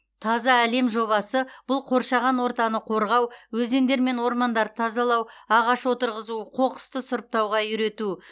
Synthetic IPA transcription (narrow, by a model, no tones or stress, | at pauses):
t̪ʰɑzɑæle̞mʒo̞βɑsəb̥ʊlˠqʰo̞ɾʃɑʁɑnwo̞ɾt̪ɑnəqʰo̞ɾʁɑwwɵze̞nd̪e̞ɾme̞nwo̞ɾmɑnd̪ɑɾt̪ʰɑzɑlˠɑwɑʁɑʃwo̞t̪əɾʁəzuəqʰo̞qə̥st̪əsʊɾəp̚t̪ɑwʁɑʏɾe̞t̪u